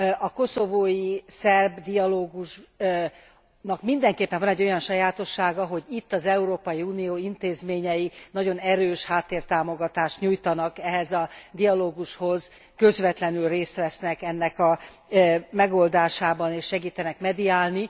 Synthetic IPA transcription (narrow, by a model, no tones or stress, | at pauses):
ɒko̞so̞voːjisɛrbd̪iɒloːɡuʃ | nɒkmind̪ɛŋkeːpːɛɱvɒnɛɟːo̞jɒnʃɒjaːt̪o̞ʃːaːɡɒɦo̞ɟit̪ːɒzɛuɾoːpɒjiuːnijoːint̪eːzmeːɲɛjinɒɟo̞nɛɾøːʃhaːt̪ːeːrt̪aːmo̞ɡɒt̪aːʃt̪ɲujt̪ɒnɒkɛɦɛzɒd̪ijɒloːɡuʃho̞z | kø̞zʋɛt̪lɛnylreːst̪ʋɛsnɛkɛnːɛkɒ | mɛɡo̞ld̪aːʃaːbɒneːʃʃɛɡiːt̪ɛnɛkmɛd̪iaːlni